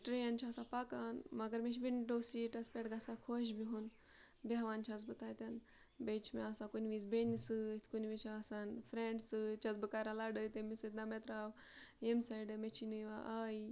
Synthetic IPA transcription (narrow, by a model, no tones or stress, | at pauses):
ʈɾejant͡ʃʰaːsapakanmɐɡəɾmeʃʋinɖosiʈɐspʲeʈɡasakʰoʃ̬biɦun | beʋant͡ʃʰat͡sbɨt̪ajt̪ʲan | bet͡ʃʰmḛasãkunʋit͡sbenisɨit̪ʰkunʋit͡ʃʰaːsanfɾeɳɖsɨt͡ʃʰat͡sbɨkaɾalaɽəjt̪emisɨt̪̚namet̪ɾaʋ | emsajɖemet͡ʃʰinɨjʋaʔaji